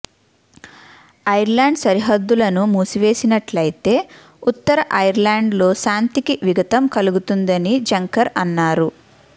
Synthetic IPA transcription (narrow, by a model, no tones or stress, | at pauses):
ɐjɐɾlaːɳɖsɐɾiɦɐd̪ːulɐnumuːsuʋe̞ːsinɐʈlɐjit̪e̞ː | ut̪ːɐɾɐʔɐjɐɾlaːɳɖlo̞ːʃaːnt̪ikiʋiɡɐt̪ɐmkɐluɡut̪und̪ɐnid͡ʒɐŋkɐɾɐnːaːɾu